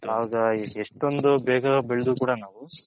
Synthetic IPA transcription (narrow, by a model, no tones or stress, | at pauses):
aːɡɐeʂʈo̞nd̪ubɛːɡɐbeɭd̪ukuːɽanaːʋu